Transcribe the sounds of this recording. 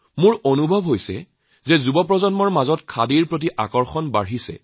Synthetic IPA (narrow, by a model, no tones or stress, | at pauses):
mʊɹonubʱɔbɦojsɛ̰ | zɛzubɔpɹɔzɔnmɔɹmazɔtkʰadiɹpɹot̬iʔakɔɹxɔnbaɹɦisɛ̰